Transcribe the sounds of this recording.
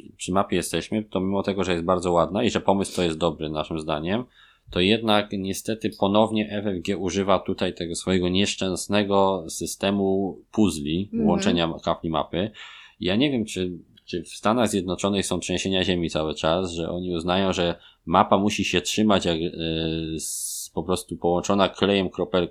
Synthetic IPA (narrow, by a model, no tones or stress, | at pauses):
pʂɘmapʲjɛjɛst̪ɛɕmɘt̪ɔmʲimɔt̪ɛɡɔʐɛjɛst̪̚baɾd̪zɔwad̪naiʐɛpɔmɘst̪ɔjɛst̪̚d̪ɔbɾɘnaʂɘmzd̪aɲɛm | t̪ɔjɛd̪nakɲɛst̪ɛt̪ɘpɔnɔvɲɛʔɛvɛvɡʲjɛuʐɘvat̪ut̪ajt̪ɛɡɔsfɔjɛɡɔɲɛʂt͡ʂɛ̃w̃snɛɡɔsɘst̪ɛmupuzlʲiwɔnt͡ʂɛɲakaflʲima̰pɘijaɲɛvʲjɛmt͡ʂɘ | t͡ʂɘfst̪anaɣzʲjɛd̪nɔt͡ʂɔnɘxsɔ̃w̃pʂɛɲɕeɲaʑemʲit̪sawɘt͡ʂasʐɛʔɔɲiuznajɔ̃w̃ʐɛ | mapamuɕiɕɛtʂɘmat͡ɕjak | pɔpɾɔst̪upɔwɔnt͡ʂɔnakʰlɛjɛmkɾɔpɛl